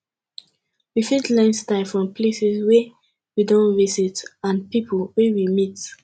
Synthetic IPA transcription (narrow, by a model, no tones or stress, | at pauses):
wifitlãnstaɪfɹɔ̃mpʰlesɛswɛ | widɔ̃nvisitãnpipʰolwɛwimit